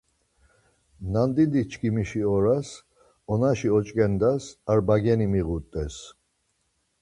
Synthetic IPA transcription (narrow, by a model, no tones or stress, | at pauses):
nand̪id̪it͡ʃʰkʰimiʃiɔɾas | ɔnaʃiɔt͡ʃʼkʼɛnd̪asaɾbaɡɛnimiʁut̪ʼɛs